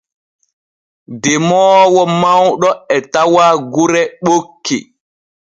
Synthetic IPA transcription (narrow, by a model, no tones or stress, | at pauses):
dɛmɔːwɔmawɗɔɛtawaɡuɾɛɓokːi